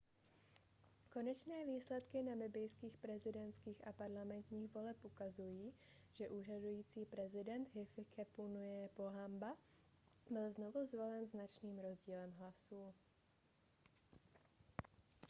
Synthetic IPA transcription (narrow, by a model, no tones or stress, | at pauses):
ko̞nɛt͡ʃnɛːviːslɛt̪kɪnalɪbɪjskiːxpɾɛzɪdɛnt̪skiːxapaɾlamɛnt̪ɲiːɣvo̞lɛpʔukazujiː | ʒ̥ɛʔuːr̝adujiːt͡siːpɾɛzɪdɛnt̪ɦɪfɪkʰɛpunujɛpo̞ɦamba | bɪlzno̞vuzvo̞lɛnznat͡ʃniːmɾo̞zɟiːlɛmɦlasuː